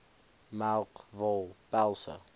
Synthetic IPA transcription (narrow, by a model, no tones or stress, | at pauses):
malkvɔlbalso̰